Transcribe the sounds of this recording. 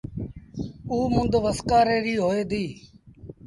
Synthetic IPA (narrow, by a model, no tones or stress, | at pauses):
uːmʊ̃nd̪ʋəskaːɾeːɾiːɦoːeːd̪iː